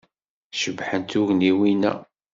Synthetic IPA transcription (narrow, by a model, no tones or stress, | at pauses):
ʃəvħənt̪uʝniwinæ̰